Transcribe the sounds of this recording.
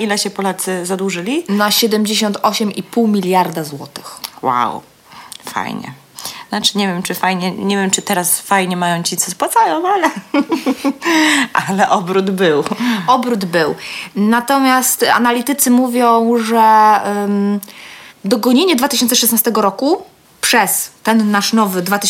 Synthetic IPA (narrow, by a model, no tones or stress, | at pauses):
ilɛɕɛpɔlat̪sɘzad̪wuʐɘlʲinaɕɛd̪ɛmd͡ʑeɕɔnt̪ʰɔɕɛmipuwmʲilʲjaɾd̪azwɔt̪ɘ̥xwa̰w | fa̰jɲɛ̰ | nat͡ʂɘ̥ɲɛvʲjɛmt͡ʂɘfajɲɛɲɛvʲjɛmt͡ʂɘt̪ɛɾasfajɲɛmajɔ̃w̃t͡ɕit̪sɛspwat̪sajɔ̃w̃alɛ | ʔalɛʔɔbɾud̪bɘwɔbɾud̪bɘwnat̪ɔmʲjast̪a̰nalʲit̪ɘt̪sɘmuvʲjɔ̃w̃ʐɛ | d̪ɔɡɔɲeɲɛd̪vat̪ɘ̥ɪɕ̬ɔnt̪ɛʂɛsnast̪ɛɡɔɾɔku | pʂɛst̪ɛnːaʂnɔvɘd̪vat̪ɘ